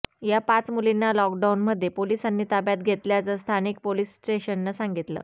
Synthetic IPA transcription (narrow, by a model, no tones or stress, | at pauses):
japat͡smulinːalɔk̚ɖaunməd̪ʱːjepolisanːiːt̪abjat̪ɡʱet̪ljat͡səst̪ʰanik̚polisʈeɕənːasaŋɡit̪lə̰ː